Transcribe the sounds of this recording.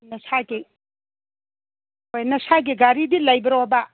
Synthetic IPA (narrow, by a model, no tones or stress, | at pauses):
nɐsaɡi | ojnɐsaɡiɡaɾidilɐjbɐɾowba